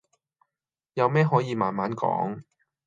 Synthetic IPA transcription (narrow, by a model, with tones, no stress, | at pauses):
jɐ˨˧wmɛː˥ɦɔː˨˥jiː˨˧maː˧nmaː˨˥nkɔ̰ː˨˥ŋ